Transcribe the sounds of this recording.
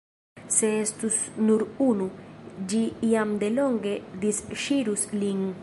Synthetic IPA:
seest̪usnuɾunud͡ʒiiamd̪eloŋɡed̪isʃiɾusliŋ

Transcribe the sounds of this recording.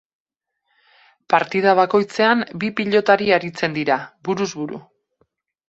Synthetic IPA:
paɾt̪ið̞aβ̞ako̞jt͡se̞ambipiʎo̞t̪aɾiaɾit͡se̞nd̪iɾaβuɾuzβuɾṵ

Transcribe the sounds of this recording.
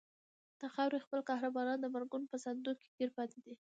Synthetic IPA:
d̪̥axawɾexpəlkɑhɾabɑɾɑnd̪əbaɾɡʊnpəsand̪uke̥ɡeɾpɑt̪ed̪i

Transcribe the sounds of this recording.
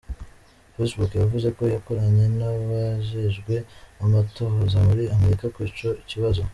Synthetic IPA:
fesbukjavuze̞ko̞jako̞ɾaɲe̞naβaʒeʒɡwe̞amatohozamuɾiame̞ɾikakwit͡ʃo̞iciβazo̞

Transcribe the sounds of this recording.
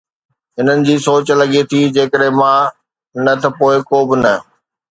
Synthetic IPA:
ɦɪn̤ənɪ̆d͡ʑiːsoːt͡ɕlɐɡet̪ʰiːd͡ʑeːkəɗɦɪ̃mã | nɐt̪ʰɐpoːɪkoːbɪnɐ

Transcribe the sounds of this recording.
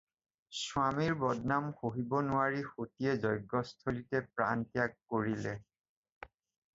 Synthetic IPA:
swamiɹbɔd̚namxoɦibɔnʊaɹixotiɛzɔjɡːɔstʰolitɛpɹa̰ntijakkoɹilɛ

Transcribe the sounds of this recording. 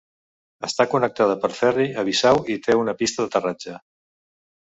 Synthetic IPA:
əst̪akunək̚t̪aðəpəɾfɛriəβ̞isawit̪ʰeunəpist̪əðət̪ərad͡ʒə

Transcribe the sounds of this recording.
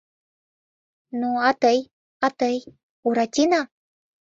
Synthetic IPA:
nuat̪əj | at̪əj | uɾat͡ɕina

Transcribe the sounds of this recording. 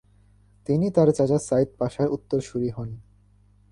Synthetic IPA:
t̪init̪aɾt͡ɕat͡ɕasajt̪̚paʃaɾʔut̪ːoɾʃuɾiɦɔn

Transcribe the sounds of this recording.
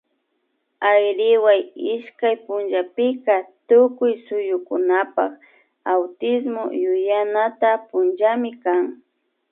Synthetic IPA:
ajɾɪwajɪʃkajpʊnʒapɪkat̪ʊkʊjsʊjʊkʊnapa̰χ | awt̪ɪsmo̰jʊjanat̪apʊnd͡ʒamɪkaŋ

